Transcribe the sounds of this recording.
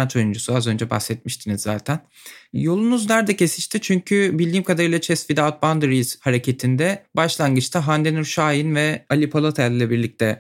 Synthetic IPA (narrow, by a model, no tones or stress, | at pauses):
at͡ʃ̪ʰo̞jund͡ʒusuazønd͡ʒɛba̰xsɛt̪̚miʃt̪ʰinizːaːt̪ʰæn | jo̞lˠunuznæɾd̪ɛcʰesiʃt̪ʰit͡ʃʰyɲcʰybilʲd̪iːmkʰad̪aɾɯjlˠat͡ʃʰɛsfid̪aːt̪̚band̪ɾiz̥haɾecʰet̪ʰind̪ɛbaʃlˠanɡɯt͡ʃt̪ʰaɦand̪enyɾʃaːjinvɛalʲipʰalˠot̪ʰælːʲɛbiɾlʲic̚t̪ʰɛ